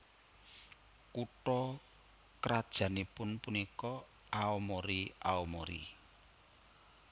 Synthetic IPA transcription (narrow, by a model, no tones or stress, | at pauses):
kuʈɔ | kəɾad̥ʒ̥ä̤nipʊnpunikɔ | aɔmɔɾia̰ɔmɔɾḭ